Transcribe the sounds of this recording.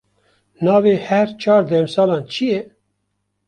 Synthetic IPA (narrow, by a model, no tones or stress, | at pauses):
nɑːveːhɛɾt͡ʃʰɑːɾd̪ɛːmsɑːlɑːnt͡ʃʰijɛ